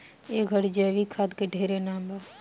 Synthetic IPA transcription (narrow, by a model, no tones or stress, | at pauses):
eːkɡʱəɽd͡ʒɛːʋikʰaːd̪keɖʱeːɾenaːmba